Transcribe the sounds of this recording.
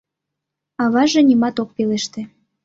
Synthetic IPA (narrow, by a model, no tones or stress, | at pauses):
ɑβɑʒĕnʲimɑt̪ok̚peleʃt̪ĕ